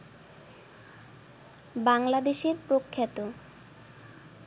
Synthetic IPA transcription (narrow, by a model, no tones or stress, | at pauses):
baŋlad̪eʃeɾpɾokʰːat̪o